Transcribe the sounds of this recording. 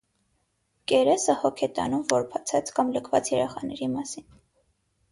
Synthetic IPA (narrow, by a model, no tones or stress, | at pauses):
kɛɾɛsəhɔkʰɛt̪ɑ̰numvɔɾpʰɑt͡sʰɑt͡skɑmləkʰvɑt͡sjɛɾɛχɑnɛɾimɑsin